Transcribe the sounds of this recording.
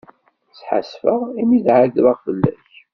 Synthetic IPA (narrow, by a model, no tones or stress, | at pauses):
t͡sːħa̰sfəʁimiðʕadɾəʁfəlːæ̰ç